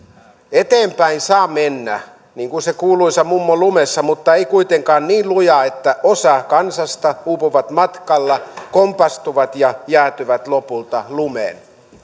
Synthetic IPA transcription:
et̪eːmpæinsɑːmenːæ̰ | niːŋkunsekuːluisɑmumːolumesːɑmut̪ːɑeikuit̪eŋkɑːnniːnlujɑet̪ːæʔosɑkɑnsɑst̪ɑhuːpuʋɑt̪mɑt̪kɑlːɑkompɑst̪uʋɑt̪jɑjæːt̪yʋæt̪lopult̪ɑlumḛːn

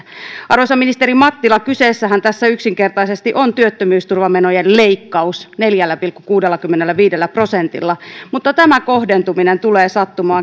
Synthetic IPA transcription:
ʔɑrosɑminist̪eɾimɑt̪ːilɑkyseːsːæɦænt̪æsːæyksiŋkert̪ɑisest̪iʔont̪yøt̪ːømyːst̪urʋɑmenojelleikːɑusneljælːæpilkːukuːdelːɑkymːenelːæʋiːdelːæpro̞sent̪ḭlːɑmut̪ːɑt̪æmækohdent̪uminent̪uleːsɑt̪ːumɑː

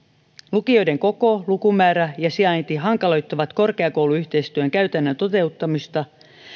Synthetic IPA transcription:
lukio̞jde̞ŋko̞ko̞lukumæːɾæjɑsiɑjnt̪iɦɑŋkɑlo̞jt̪ːɑʋɑt̪ko̞rkeɑko̞wluyçt̪e̞jst̪yøŋkæɥt̪ænːønt̪o̞t̪e̞ut̪ːɑmist̪ɑ

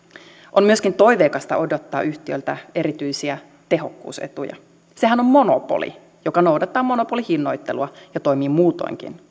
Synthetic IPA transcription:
ʔommyøskint̪o̞jʋeːkɑst̪ɑ̰ʔo̞do̞t̪ːɑ̰ːʔyht̪iølt̪æe̞ɾit̪yisiæ | t̪e̞ɦo̞kːṵːsḛt̪ṵjɑ̰ | se̞ɦæno̞mmo̞nopo̰lḭ | jo̞kɑno̞wdɑt̪ːɑːmo̞no̞po̞lihinːo̞jt̪ːe̞̰luɑjɑt̪o̞jmiːmuːt̪o̞̰iŋk̟ḭn

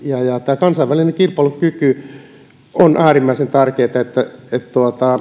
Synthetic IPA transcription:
jɑjɑt̪æːkɑnsɑʋælineŋkirpɑˑlukyky | onʔæːrimːæisent̪ærkeːt̪ɑet̪ːæet̪t̪uot̪ɑ

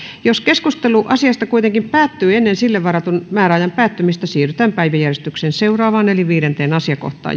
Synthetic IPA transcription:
joskeskust̪eluʔɑsiɑst̪ɑkuit̪eŋkimpæːt̪ːyːenːensilːeʋʋɑrɑt̪unmæːɾæɑjɑmpæːt̪ːymist̪æsiːryt̪æːmpæiʋæjærest̪yksenseurɑːʋɑːneliʋiːɾent̪eːnɑsiɑko̰ht̪ˑɑ̰ː

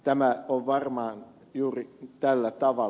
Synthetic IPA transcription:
t̪æmæoʋʋɑrmɑːn | juːrit̪ælːæt̪ɑʋɑ

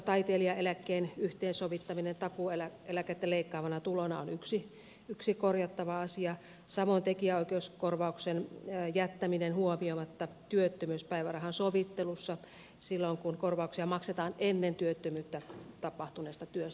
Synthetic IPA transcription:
t̪ɑit̪eːliɑelækːeːnyht̪eːnsoʋit̪ːɑminent̪ɑkuelæelæket̪ːeleikːɑːʋɑnɑt̪ulonɑ̰onyksi | yksikorjɑt̪ːɑʋɑɑsiɑ | sɑmont̪ekiæoikeuskorʋɑˑuksenjæt̪ːæminenhuomiomɑt̪ːɑt̪yøt̪ːømyspæiʋærɑhɑnsoʋit̪ːelusːɑ | silːoŋkunkorʋɑuksiɑmɑkset̪ɑːnenːent̪yøt̪ːømyːt̪ːæt̪ɑpɑht̪uneːst̪ɑt̪yøs

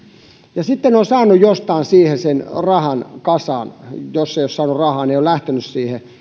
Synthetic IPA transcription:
jɑsit̪ːenosɑːnːˑujjost̪ɑːnsiːhesenrɑhɑnkɑsɑːnjosːeiossɑːnurɑhɑːneiolæht̪enyssiːhe

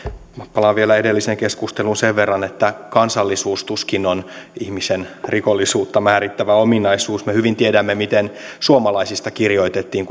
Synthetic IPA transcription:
mæpːɑlɑʋʋielæedelːiseŋkeskust̪elunseʋʋerːɑnet̪ːækɑnsɑlːisuːst̪uskinonihmisenrikolːisuːt̪ːɑmæːɾit̪ːæʋæominɑisuːsmehyʋint̪iedæmːemit̪ensuomɑlɑisist̪ɑkirjo̞it̪et̪ːiːŋk

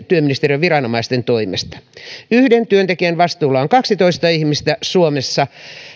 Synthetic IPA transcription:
t̪yøminist̪erieʋirɑnomɑist̪ent̪oimḛst̪ɑ̥yhdent̪yønt̪ekiænʋɑst̪uːlɑoŋkɑksit̪oist̪ɑihmist̪æsuomesːɑ

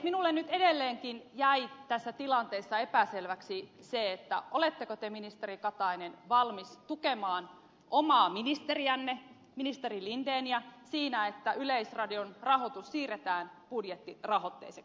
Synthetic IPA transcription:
minulːennyt̪edelːeːŋkinjæit̪æsːæt̪ilɑnt̪eːsːɑepæselʋæksi | seet̪ːæ̰ʔolet̪ːekot̪eminist̪erikɑt̪ɑinenʋɑlmist̪ukemɑːn | ʔomɑːminist̪eriænːe | minist̪erilind̪eːnjɑsiːnæet̪ːæʔyleisrɑdionrɑɦot̪usːiːret̪æːnb̥udjet̪ːirɑɦot̪ːḛːseks

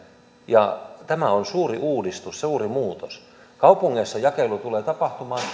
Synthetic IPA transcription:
jɑ̰t̪æmæonsuːriʔuːdist̪usseuːrimuːt̪os | kɑupuŋːesːɑjɑkelut̪uleːt̪ɑpɑht̪umɑːn

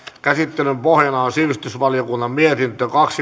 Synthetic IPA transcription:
kæsit̪ːelympohjɑnɑonsiʋist̪ysʋɑlijokunːɑmmiet̪int̪økɑksi

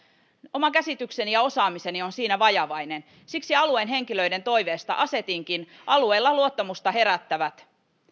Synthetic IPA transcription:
o̞mɑkæsit̪ykse̞nijɑo̞sɑːmise̞nio̞nsiːnæʋɑjɑʋɑjne̞n | siksiɑluenɦe̞ŋkilø̞jde̞nt̪o̞jʋe̞ːst̪ɑ̰ʔɑse̞t̪iŋkin | ʔɑlueːlːɑluot̪ːɑmust̪ɑɦe̞ɾæt̪ːæʋæt̪

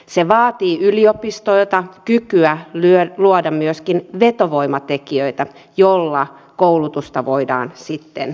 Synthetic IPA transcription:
seʋɑːt̪iːʔyliopist̪oilt̪ɑkykyælyøluodɑmmyøskinʋet̪oʋoimɑt̪ekiøit̪æ | jolːɑ | koulut̪ust̪ɑʋoidɑ̰ːnsit̪ːḛn

